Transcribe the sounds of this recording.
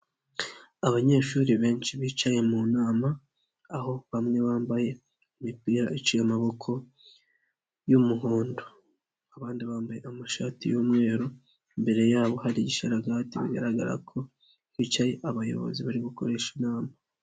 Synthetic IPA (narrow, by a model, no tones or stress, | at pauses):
aβaɲe̞ːʃuːɾiβe̞ːɲt͡ʃiβiːt͡ʃaje̞munaːmaː | ɦo̞βamŋe̞βaːmbaje̞ | umipiːɾaʔit͡ʃijamaβo̞kʰo̞ | jumuɦoːndo | aβaːndiβaːmbaje̞̰ʔamaʃaːtijuːmŋe̞ːɾo | imbe̞ɾe̞jaːβo̞haɾiɟiʃeɾaɡaːtiβḭɡa̰ɾaɡa̰ɾa̰kʰo̞ | βiːt͡ʃaje̞ʔaβajo̞̰βo̞̰ziβaɾiβuko̞ɾe̞ʃinaːma